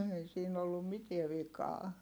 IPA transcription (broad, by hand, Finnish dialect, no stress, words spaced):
ei siːn olːum mietiɛ ʋikɑː